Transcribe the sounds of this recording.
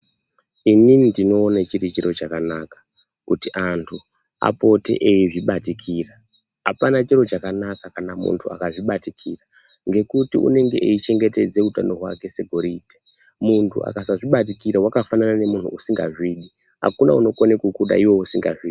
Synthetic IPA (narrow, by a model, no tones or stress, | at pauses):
ininindino̞ːnat͡ʃiɾit͡ʃiɾo̞t͡ʃakanakḁ | kutiʔantʰu | a̰po̞te̞̰ʔeiʐiɓatikʰira | ɦapanat͡ʃiɾo̞t͡ʃakanakakanamṵntʰua̰kaʐiɓatikʰiːra | ŋɡe̞kutiṵne̞ŋɡe̞̰ʔeit͡ʃe̞ŋɡe̞te̞d͡ze̞uta̰no̞ɦwa̰ke̞se̞ɡʱo̞ɾite̥ | muntʰṵa̰kasaʐiɓat̬ikiɾawakafananane̞mun̤ʰṵːsiŋɡa̰ʐiːɗi | ɦa̰kuna̰uno̞konekukuɗa̰iwo̞usiŋɡa̰ʐiː